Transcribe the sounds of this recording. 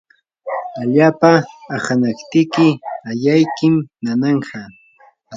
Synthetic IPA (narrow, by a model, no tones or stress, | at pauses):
aʎaːpaːχanakt̪ɪkɪajajkɪmnanɑɴɢɑ